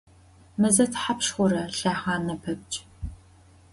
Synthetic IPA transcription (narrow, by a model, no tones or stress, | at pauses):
mɨzɐtʰħapʃχʷʊɾɐɬaːʁɑːnɐpʰɐb̚t͡ʃʼ